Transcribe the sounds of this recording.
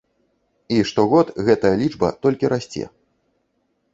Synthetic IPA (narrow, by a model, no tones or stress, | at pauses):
iʂt̪ɔɣɔt̪ɣɛt̪ɐjɐlʲid͡ʐbɐ̰t̪ɔlʲkʲiɾasʲt͡sʲɛ̰